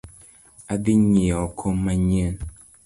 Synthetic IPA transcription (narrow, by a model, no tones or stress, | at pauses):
adiɲeɔkʰomːaɲen